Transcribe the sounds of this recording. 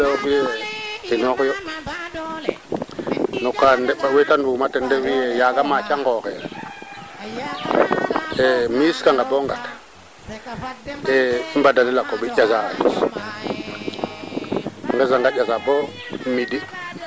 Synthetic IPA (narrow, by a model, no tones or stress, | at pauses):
eokijeinokjo | nukandeɓawetandumatendewijejaɡamat͡ʃaŋɡoke | emiskaŋɡaboŋɡat | eimbadanilakːoɓiʔazalis | ŋɡezaŋɡaazabo | midi